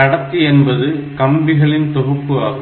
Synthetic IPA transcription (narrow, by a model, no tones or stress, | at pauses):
ɐɽɐt̪ːiɛnbɐðɯkɐmbɪɣɐɭɪnt̪ɔɣɯpːɯɐ̰